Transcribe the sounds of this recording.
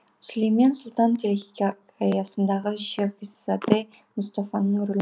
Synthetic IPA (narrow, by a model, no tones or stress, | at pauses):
slejmensʊlˠt̪ɑnt̪ʲʰeɾexʲikʲa | ɑjɑsənd̪ɑʁəʒefisat̪e | mʊst̪afanːəɴɾɵl